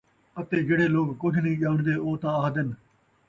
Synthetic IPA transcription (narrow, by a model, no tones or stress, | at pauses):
ət̪eːd͡ʒeːɽeːloːkkʊd͡ʒʰnĩːʄaːʊɳd̪eːoːt̪ãːaːɦd̪ən